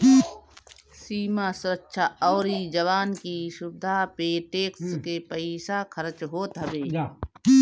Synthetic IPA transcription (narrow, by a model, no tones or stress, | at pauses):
siːmasʊɾəkːʃʰaɔːɾid͡ʒəwaːnkiʃʊb̚d̪ʱapeːʈeːkskepəɪsakʰəɾət͡ʃɦoːt̪ɦəbeː